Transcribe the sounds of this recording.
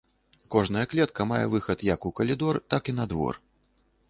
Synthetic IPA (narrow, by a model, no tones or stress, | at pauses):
kɔʐnɐjɐklʲɛt̪kɐmajɛ̰vɨxɐt̪jɐkukɐlʲid̪ɔrt̪akinɐd̪vɔ̰r